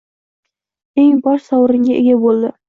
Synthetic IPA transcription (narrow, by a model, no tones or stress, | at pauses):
e̞ŋbɒʃsɒwɾɪŋɡʲaʔeɡʲabolˠd̪ɪ